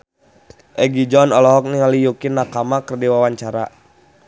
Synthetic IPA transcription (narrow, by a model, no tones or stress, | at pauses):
ʔɛɡid͡ʒɔnɔlɔɦɔk̚niŋalijukɪnːakamakərdiwawaɲt͡ʃaɾa̰